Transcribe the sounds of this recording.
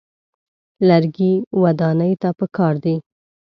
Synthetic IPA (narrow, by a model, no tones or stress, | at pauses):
laɾɡiwad̪ɑnəjt̪apəkɑɾd̪i